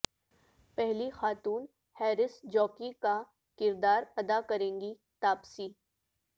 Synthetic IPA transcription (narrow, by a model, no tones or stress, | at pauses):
pɛɦlixaːt̪uːn | hɛːɾɪsd͡ʒɔːkika | kɪɾd̪aːɾɐd̪akɐɾẽːŋɡi | t̪aːpsiː